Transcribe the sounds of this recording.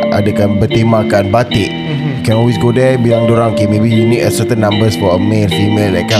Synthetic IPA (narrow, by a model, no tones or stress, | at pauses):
a̰dakanbət̪emãkanbat̪ɪʔ | kɛ̃nɔlwisɡodajbilaŋdoɾaŋkimebijunikəsət̪ənːãmbəsfɔəmelfimellaka